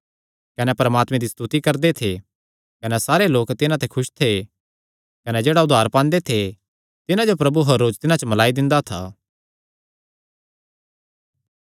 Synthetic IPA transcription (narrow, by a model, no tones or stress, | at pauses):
kɐnɛpɐɾəmaːt̪mẽd̪ist̪ut̪ikɐɾd̪et̪ʰe | kɐnɛsaːɾeloːkt̪ɪnãt̪ʰɛkʰʊʃt̪ʰe | kɐnɛd͡ʒeːɽaʊd̪ʱaːɾpãːnd̪et̪ʰe | t̪ɪnãd͡ʒopɾɐbuɦɐɾoːd͡ʒt̪ɪnãt͡ʃəmɐlaːid̪ɪ̃nd̪at̪ʰa̰ː